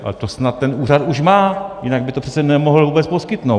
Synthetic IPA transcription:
ʔa̰lɛt̪osnat̪ːɛnʔuːrat̪uʃmaːjɪnaɡ̚bɪt̪opr̥ɛ̥t͡sɛnɛmoɦl̩vuːbɛt͡spo̞skɪt̪now

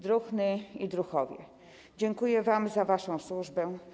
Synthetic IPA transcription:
d̪ɾuxnɘid̪ɾuxɔvʲjɛ̰ | d͡ʑɛŋkujɛvamzavaʂɔ̃w̃swuʐbɛ

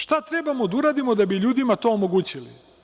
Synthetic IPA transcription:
ʃt̪at̪ɾe̞bamod̪auɾaːd̪imo̞d̪abiʎuːd̪imat̪o̞omoɡuːt͡ɕilḭ

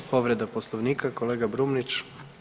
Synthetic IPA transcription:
po̞ʋɾed̪aposlˠoʋniːkako̞leːɡabɾumnit͡ʃ

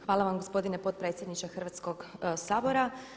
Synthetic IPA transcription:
xʋaːlˠaʋamɡospo̞d̪inepo̞t̪̚pɾe̞ːt̪sʲjed̪nit͡ʃexr̩ʋat̪sko̞ɡsaːboɾa

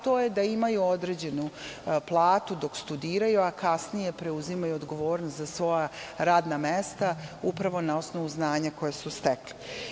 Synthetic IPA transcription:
t̪o̞ːje̞d̪aimajuo̞d̪ɾed͡ʑe̞nuplˠaːt̪ud̪o̞kst̪ud̪iːɾajuakasnije̞pɾe̞uzimajuod̪ɡo̞ʋo̞ːɾnost̪zasʋo̞jaɾaːd̪namest̪aupɾaʋo̞nao̞sno̞ʋuznaːɲako̞jesust̪ekle

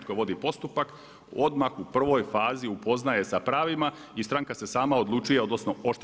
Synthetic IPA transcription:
t̪̚koʋo̞d̪ipo̞st̪upak | o̞d̪maxupr̩ʋo̞jfaːziupo̞znaje̞sapɾaːʋima | ist̪ɾaŋkase̞saːmao̞d̪lˠut͡ʃujeo̞d̪nosnoo̞ʃt̪

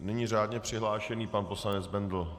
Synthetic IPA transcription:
nɛɲiːr̝aːdɲɛpr̥ɪɦlaːʃɛniːpanpo̞slanɛd͡zbɛnd̪l̩

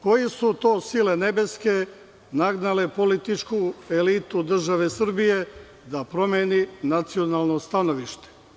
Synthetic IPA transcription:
ko̞jesut̪o̞ːsilene̞be̞ske̞ | naɡnalepolit̪it͡ʃkuelit̪ud̪r̩ʒaʋesr̩bije̞ | d̪apɾo̞meːninat̪sio̞nalˠno̞st̪ano̞ʋiʃt̪e̥

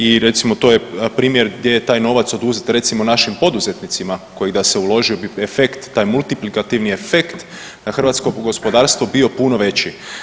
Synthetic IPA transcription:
iɾe̞t̪simo̞t̪o̞ːje̞pɾiːmjeɾɡd̪jeje̞t̪aːjno̞ːʋat̪so̞d̪uzet̪ɾe̞t̪simonaʃimpo̞d̪uzet̪nit̪simako̞jeɡd̪aseulˠo̞ʒio̞biefe̞kt̪ːaːjmulˠt̪iplikat̪iʋniefe̞kt̪ | d̪axr̩ʋat̪sko̞ɡo̞spo̞d̪aːɾst̪ʋo̞bio̞puno̞ʋe̞t͡ɕi

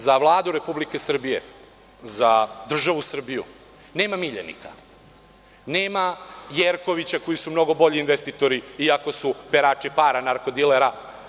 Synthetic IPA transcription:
zaʋlˠaːd̪uɾe̞publike̞sr̩bije̞̰ | zad̪r̩ʒaʋusr̩bijṵ | ne̞ːmamiʎḛnḭkʰa̰ | neːmajeɾko̞ʋit͡ɕakojisumno̞ɡo̞bo̞ʎiːnʋest̪it̪oɾiiako̞supeɾat͡ʃipaːɾanaɾko̞d̪ileɾa

